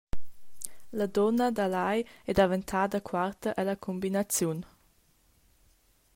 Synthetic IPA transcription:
ləd̪ɔnəd̪alajɛd̪avənt̪ʰaːd̪əkʰwart̪əʔɛləkʰɔmbinat͡sjun

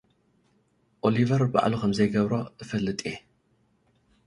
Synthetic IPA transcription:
ʔolivɐɾba̰ʕlukɐmzɐjɡɐβɾoʔɨfɐlːɨt̪ʼe

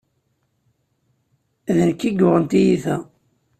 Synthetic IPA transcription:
æðənkːiɡʊʁənt̪ijiθæ

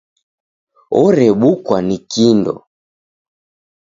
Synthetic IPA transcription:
ɔɾɛɓukwanikindɔ̰

